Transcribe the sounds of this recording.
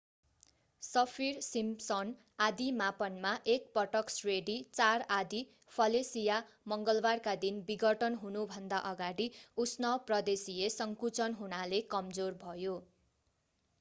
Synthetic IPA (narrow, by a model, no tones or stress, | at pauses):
sʌpʰirsimsʌn | ad̪imapʌnmaʔek̚pʌʈʌksreɖit͡sarad̪i | pʰʌlesija | mʌŋɡʌlbarkad̪inbiɡʌʈʌnɦunubʱʌnd̪aʔʌɡaɽiusnʌprʌd̪esiesʌŋkut͡sʌnɦunalekʌmd͡zorbʱʌjo